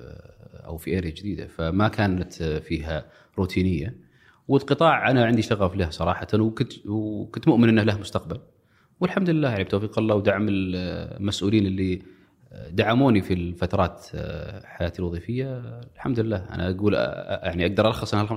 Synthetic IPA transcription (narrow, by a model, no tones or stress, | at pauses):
ʔa̰wfiʔeːɾjad͡ʒd̪iːd̪a̰famakaːnat̪fiːɦa | ɾuːt̪ʰiːnɪjːa | wɪlqɨt̪ˤɑːʕʔanaʕɪnd̪iʃt̪aɣaflahsˤɑɾˤɑːħɑt̪anwkʊt̪kʊnt̪mʊʔmɪnʔɪnːahlahmʊst̪aqbal | wɪlħamd̪lɪlːaːjaʕnib̚t̪oːfiːqɑlːɑːwd̪aʕamɪlmasʔuːliːnɪlːi | d̪aʕːamuːnifilfat̪ɑɾˤɑːt̪ | ħajaːt̪ilwɑðˤiːfɪjːalħamd̪ɪlːaːʔa̰naʔaɡuːl̰jaʕniʔaɡ̚d̪ɑɾˤʔɑlɑxːɨsˤʔanhalxam